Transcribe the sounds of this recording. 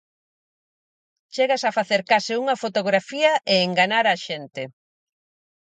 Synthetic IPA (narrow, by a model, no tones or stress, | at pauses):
t͡ʃeɣasɐfaθeɾkasɪuŋɐfot̪oɣɾafiɐʔeːŋɡaɲaɾaʃent̪e